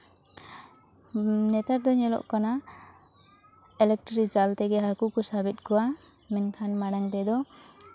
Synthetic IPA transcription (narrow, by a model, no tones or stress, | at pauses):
nɛt̪aɾd̪ɔɲɛlɔ̰ʔkana | ɛlɛk̚ʈɾikd͡ʒalt̪ɛɡɛɦakukɔsabit̪̚kɔwa | mɛnkʰanmaɽaɲt̪ɛd̪ɔ